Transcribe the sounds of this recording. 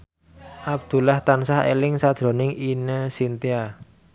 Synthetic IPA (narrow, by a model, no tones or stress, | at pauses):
ʔab̚d̪̥ṳlaht̪ansahḛlɪŋsad̥ʒ̥ɾo̤nɪŋinəsint̪ia